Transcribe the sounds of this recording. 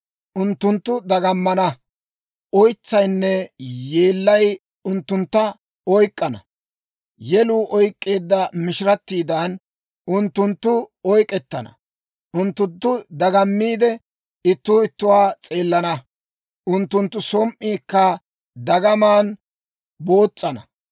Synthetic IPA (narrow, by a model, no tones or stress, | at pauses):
ʔʊnt̪ːʊnt̪ːʊd̪ɐɡɐmːɐnɐ | ʔɔjt͡sːɐjnːɛje̞ːlːɐj | ʊnt̪ːʊnt̪ːɐ | ɔjkʼːɐnɐ̰ | jɛluːʔɔjkʼːe̞ːd̪ːɐmɪʃɪɾɐt̪ːiːd̪ɐan | ʊnt̪ːʊnt̪ːʊɔjkʼɛt̪ːɐnɐ̰ | ʊnt̪ːʊt̪ːʊd̪ɐɡɐmːiːd̪ɛ | ɪt̪ːʊːɪt̪ːʊwaːt͡sʼe̞ːlːɐnɐ | ʔʊnt̪ːʊnt̪ːʊsɔmʔiːkːɐ | d̪ɐɡɐmaːn | bo̞ːt͡sʼːɐnɐ